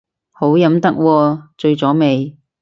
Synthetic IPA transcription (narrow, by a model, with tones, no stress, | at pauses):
ho˨˥wjɐ˨˧˥mt̪ɐ˥k̚wɔː˧t͡ʃɵ˧ɥt͡sɔː˨˥me˨˧j